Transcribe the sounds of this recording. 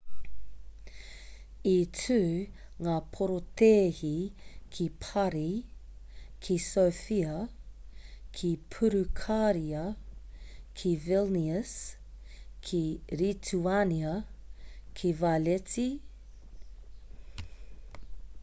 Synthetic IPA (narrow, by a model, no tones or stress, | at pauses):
itʉːŋaːpʰoɾot̪eːhikʰipʰɐɾi | kʰisowfiɐ | kʰipʰuɾukʰaɾiɐ | kʰivilniəs | kʰiɾitʰuaniɐ | kʰivaleti